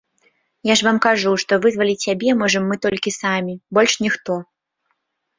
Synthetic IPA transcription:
jaʐvamkaʐuʂt̪ɔvɨzvɐlʲit͡sʲsʲabʲɛmɔʐɐmːɨt̪ɔlʲkʲisamʲibɔlʲʂnʲixt̪ɔ

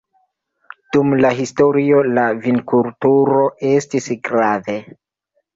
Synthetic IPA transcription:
d̥umlaɦisto̞ɾio̞lavinkultuɾo̞ʔe̞stisɡɾave

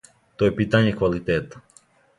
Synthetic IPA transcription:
t̪oɛpit̪aɲɛkʋalit̪ɛt̪ḁ

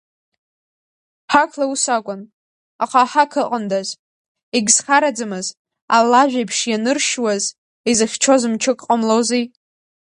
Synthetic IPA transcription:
ħakʰlausakʷʼʊn | aqʰaħakʰɨqʼəndaz | iɡʲzχaɾad͡zɨmɨz | a̰lːaʒᶣajpʰʂjanɨrʃwaz | izɨχʲt͡ʃʰozɨmt͡ʃʰɨkʼqʼəmlowzi

